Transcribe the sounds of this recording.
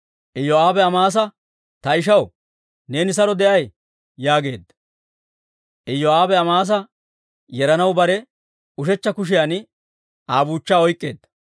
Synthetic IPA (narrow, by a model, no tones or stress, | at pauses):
ʔɛjːɔaːbɛɐmaːs̬ɐ | t̪ɐɪʃ̬ɐw | ne̞ːnɪs̬ɐɾɔd̪ɛʔɐj | jaːɡe̞̰ːd̪ːɐ̥ | ʔɛjːɔaːbɛɐmaːs̬ɐ | jɛɾɐnɐwbɐɾɛ | ʊʃɛt͡ʃːɐkʊʃ̬ɪjan | ʔaːbuːt͡ʃːaːɔjkʼːe̞̰ːd̪ːɐ̥